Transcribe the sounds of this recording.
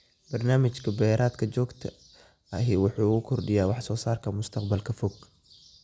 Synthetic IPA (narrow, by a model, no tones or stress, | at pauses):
b̥ɐrnaːmɪt͡ʃkʰɐbɛːɾʔaːd̪kʰɐt͡ʃɔːɡt̪ʰɐ | ɐɦɪwʊħuːʊɣʊkʰɔrɖɪjaːwɑħsɔːsaːrkʰɐmʊst̪ʰɐqbɐlkʰɐfɔɡ